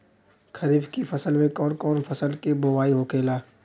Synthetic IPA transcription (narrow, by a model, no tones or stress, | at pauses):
kʰɐɾiːbkifɐsəlmẽkɔːnkɔːnfʰɐsəlkeboːwaːiɦoːkeːlaː